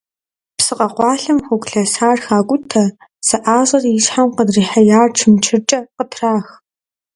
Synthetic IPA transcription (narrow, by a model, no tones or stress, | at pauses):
psɨqɐqʷɑːɬɐmxʷʊɡʷɬɐsaːrxaːɡʷʊtʰɐ | sɨʔaːʑɐrjɪʃħamqədriːħajaːrt͡ʃʰɨmt͡ʃʰɪrt͡ʃʼɐqətʰraːx